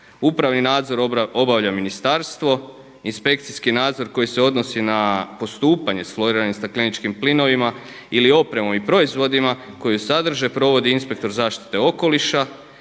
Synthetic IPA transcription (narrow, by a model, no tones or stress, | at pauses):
upɾaʋninaːd̪zo̞ɾo̞baʋʎaminist̪aɾst̪ʋo̞ | inspe̞k̚t̪siskinaːd̪zo̞ɾko̞jise̞o̞d̪no̞sinapo̞st̪uːpaɲe̞sflo̞ɾiɾaɲesaklinit͡ʃkimplino̞ʋima | ilio̞pɾe̞mo̞mipɾo̞izʋo̞d̪ima | ko̞jusad̪r̩ʒe̞pɾo̞ʋo̞d̪iinspe̞kt̪o̞ɾzaːʃt̪i̥t̪e̞o̞ko̞liʃa